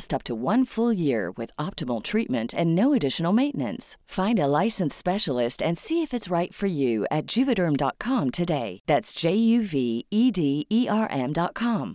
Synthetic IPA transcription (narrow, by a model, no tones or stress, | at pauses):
stʌp̚tʰəwʌ̃nfʊlˠjɪɹwɪ̰ðɑp̚təml̩ˠtʰɹ̥it̚mɨ̰̃ntʰɨ̃nːoʊɨdɪʃn̩l̩ˠmẽɪ̃nʔnɨ̰̃nsfãɪ̃ndəlaɪsɨ̃n̩spɛʃl̩ˠɪstɨ̃nsiɨfɨtsɹaɪtfə˞jʉɨ̰t̚d̥ʒ̥ʉvɨɾə̃˞mdɑ̰t̚kʰɑ̃mtʰɨdeɪðætsd̥ʒ̥eɪjʉviidiiʔɑɹʔɛ̃mdɑt̚kʰɑ̃m